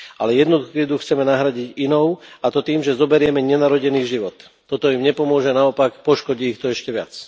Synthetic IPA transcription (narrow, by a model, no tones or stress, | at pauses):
ʔalɛjɛd̪nɔd̪ukid̪uxt͡sɛmɛnaɦɾaɟiɟinɔʊat̪ɔt̪iːmʒɛzɔbɛɾɪɛmɛɲɛnaɾɔɟɛniːʒiʋɔt̪ːɔt̪ɔimɲɛpɔmʊɔʒɛnaɔpakpɔʃkɔɟiːxt̪ɔɛʃcɛʋɪa̰t͡s